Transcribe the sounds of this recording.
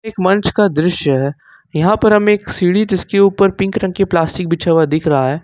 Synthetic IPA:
eːkmɐ̃nt͡ʃkad̪ɾɪʃjəɦɛː | jɐɦãpɐɾɦɐmeːksiːɽid͡ʒɪskeuːpəɾpɪ̃ŋkɾɐ̃ŋɡ̚keplaːsʈɪk̚bɪt͡ʃʰaʋad̪ɪkʰɾɐɦaɦɛː

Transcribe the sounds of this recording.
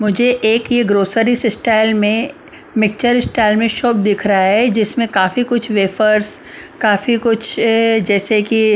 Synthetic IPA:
mʊd͡ʒʱeʔeːkjeɡɾoːsəɾisɪsʈaːɪlmẽ | mɪk̚t͡ʃəɾɪsʈaːɪlmẽʃɔːp̚d̪ɪkʰɾɐɦaɦɛd͡ʒɪsmẽkaːfikʊt͡ʃʰʋeːfəɾskaːfikʊt͡ʃʰd͡ʒɛːseki

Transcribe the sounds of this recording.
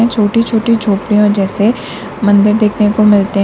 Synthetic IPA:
ɛ̃t͡ʃʰoːʈit͡ʃʰoːʈid͡ʒʱoːpɾijõd͡ʒɛːse | mɐ̃nd̪əɾd̪eːkʰnekomɪlt̪eɦ

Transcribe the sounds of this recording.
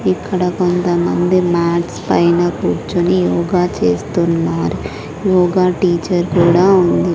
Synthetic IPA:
ikːɐɽɐko̞nt̪ɐmɐnd̪imaːʈspɐjnɐkuːɾt͡ʃunijɔːɡaːt͡ʃeːst̪unːaːɾu | jɔːɡaːʈiːt͡ʃɐɾkuːɽaːund̪i

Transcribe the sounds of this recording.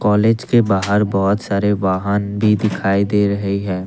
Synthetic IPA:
kɔːleːd͡ʒkebaːɦəɾbɔːʊt̪saːɾeʋaːɦanbʱid̪ɪkʰaːid̪eːɾəɦiɦɛː

